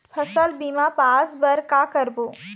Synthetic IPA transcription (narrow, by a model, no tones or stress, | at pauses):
pʰɐsəlbiːmapaːsbɐɾkaːkəɾboː